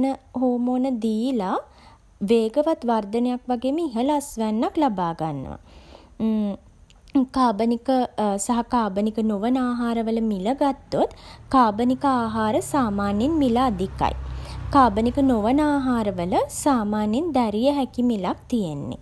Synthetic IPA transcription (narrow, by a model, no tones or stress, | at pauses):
nəɦoːmoːnəd̪iːla | ʋeːɡəʋat̪ʋard̪ənəjakʋaɡeːməiɦələasʋænːaklabaːɡanːə̰ʋa̰ | kaːbənikəsaɦakaːbənikənoʋənaːɦaːɾəʋələmiləɡat̪ːot̪kaːbənikəaːɦaːɾəsaːmaːnjenmilaːd̪ika̰jkaːbənikənoʋənaːɦaːɾəʋələsaːmaːnjend̪æɾijəɦækimilak̚t̪ijenːḛ